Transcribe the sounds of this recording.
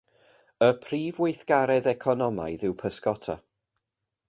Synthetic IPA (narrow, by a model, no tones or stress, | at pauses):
əpʰriːvwejθɡ̥aɾɛðɛkʰɔnɔma̰jðɪwpʰəskɔtʰa̰